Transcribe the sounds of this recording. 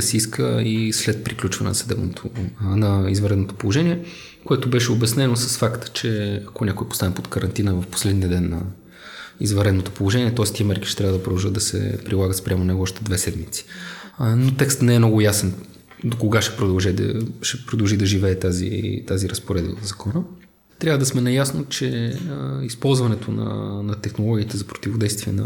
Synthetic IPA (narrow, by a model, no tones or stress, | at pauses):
sɛiskʰəislɛt̪̚pɾiklʲut͡ʃvə̰ɐnɛ̰nsəd̪ɛ̰bnot̪ʰonɐizvɐɾɛd̪not̪o̥polˠoʒɛniɛ | koɛt̪obɛʃɛobɛsnɛnosəsfakt̪ə̥t͡ʃɛɐkonʲakoɛpo̥st̪anipot̪kəɾɐnt̪inəvəfpo̥slɛd̪niəd̪ɛnːɐ̰ | izvɐɾɛd̪not̪opolˠoʒɛniɛt̪ɔɛst̪iəmɛɾkiʃt̪ɛt̪ɾʲavəd̪əpɾod̪ɐlˠʒɤtd̪d̪ɐsɛ̰pɾilˠaɡət̪spɾʲamonɛɡoɔʃt̪ɛd̪vɛsɛd̪mit̪si̥ | not̪ɛkst̪nɛɛmnɔɡʊjasɛn | d̪okoɡaʃɛ̥pɾod̪ɐlˠʒɛd̪ɐ̰ʃɛpɾod̪ɐlˠʒid̪ɐʒivɛːt̪azḭt̪aziɾəspoɾɛd̪əzɐkɔnə | t̪ɾʲavəd̪ɐsmɛnɐjasnot͡ʃɛ | ispɔlˠzvɐnɛt̪ʰonɐ̰nɐt̪ɛxnolˠɔɡʲiːt̪ɛzɐpɾo̥t̪ivod̪ɛjst̪viɛnɐ̰